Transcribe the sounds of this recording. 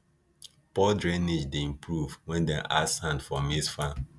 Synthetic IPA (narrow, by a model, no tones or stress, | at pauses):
pɔdɹɛ̃nid͡ʒdeĩmpɹuvwɛ̃ndɛ̰̃ʔashãndfɔmisfã